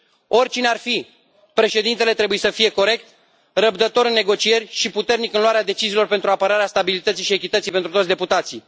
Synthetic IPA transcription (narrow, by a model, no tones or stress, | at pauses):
o̞rʲt͡ʃinearfi | pɾe̞ʃe̞d̪int̪e̞le̞t̪ɾe̞bujesəfije̞ko̞ɾe̞k̚t̪ | rəbd̪ət̪o̞ɾɨnːe̞ɡo̞t͡ʃije̞rʲʃiput̪e̞rnikɨnluaɾead̪e̞t͡ʃiziːlo̞rpe̞nt̪ɾuapəɾaɾeast̪abilit̪ət̪siʃie̞kʲit̪ət̪sipe̞nt̪ɾut̪ot̪sd̪eput̪at̪si